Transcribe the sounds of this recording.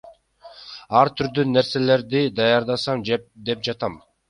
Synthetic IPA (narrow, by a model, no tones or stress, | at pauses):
ɑɾt̪ʰyɾd̪ynːe̞ɾse̞le̞ɾd̪id̪ɑjɑɾd̪ɑsɑmd̪e̞p̚d͡ʒɑt̪ɑm